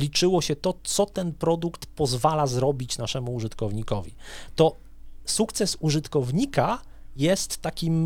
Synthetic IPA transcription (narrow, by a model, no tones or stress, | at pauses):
lʲit͡ʂɘwɔɕɛt̪ɔt̪sɔt̪ɛnpɾɔd̪ukt̪pɔzvalazɾɔbʲit͡ɕnaʂɛmuːʐɘt̪kɔvɲikɔvʲḭt̪ɔ | sukt̪sɛsuʐɘt̪kɔvɲika | jɛst̪ːakʲim